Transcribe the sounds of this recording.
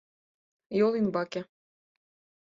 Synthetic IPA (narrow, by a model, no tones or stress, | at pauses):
jolˠinbɑke